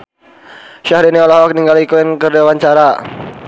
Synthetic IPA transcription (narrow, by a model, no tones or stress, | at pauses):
ʃahɾiniɔlɔɦɔkniŋɡalikuɪnkərdawaɲt͡ʃaɾa